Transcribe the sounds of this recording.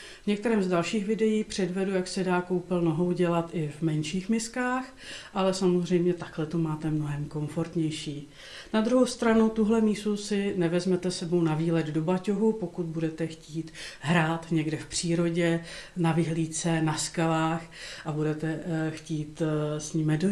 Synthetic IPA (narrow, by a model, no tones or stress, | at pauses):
vɲɛk̚t̪ɛɾɛːmzdalʃiːxvɪdɛjiːxpr̝̥ɛdvɛdujaksɛdaːko̞wpɪlno̞ɦo̞wɟɛlat̪ʔɪvmɛnʃiːxmɪskaːx | ʔalɛsamozr̝ɛjmɲɛt̪aklɛt̪omaːt̪ɛmno̞ɦɛmko̞ɱfo̞ɾt̪ɲɛjʃiː | nad̪ɾuɦowst̪ɾanut̪uɦlɛmiːst̪usɪnɛvɛzmɛt̪ɛsɛbownaviːlɛd̪do̞bacoɦupo̞kut̪̚budɛt̪ɛxciːt̪ɦɾaːt̪ɲɛɡdɛfpr̝̥iːɾo̞ɟɛnavɪɦliːt͡sɛnaskalaːxʔabudɛt̪ɛxciːt̪sɲiːmɛdo